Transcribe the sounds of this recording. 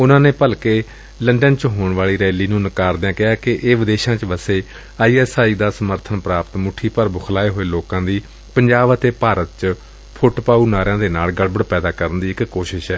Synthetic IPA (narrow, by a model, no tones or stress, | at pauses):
ʊnãːneːpəlkeː | ləɳɖənt͡ʃɦoːɳʋaːɭiːɾɛːliːnũːnəkaːɾd̪ɪjãːkɪɦaːkɪʔeːʋɪd̪eːʃãːt͡ʃʋəseː | aːiːɛːsaːiːd̪aːsəməɾt̪ʰənpɾaːpət̪mʊʈʰiːpəɾbʊkʰlaːeːɦoːeːloːkãːd̪iː | pəɲd͡ʒaːbət̪eːpaːɾət̪̚t͡ʃ | pʰʊʈpaːuːnaːɾjãːd̪eːnaːlɡəɽbəɽpɛːd̪aːkəɾənd̪iːɪkːoːʃɪʃɛː